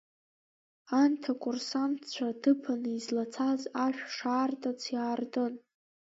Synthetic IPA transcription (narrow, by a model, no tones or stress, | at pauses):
antʰakʰʼʊrsantʰt͡ɕʷʰadɨpʰanɨizlat͡sʰazaʃᶣʂaːrtʰʼat͡sʰjaːrdon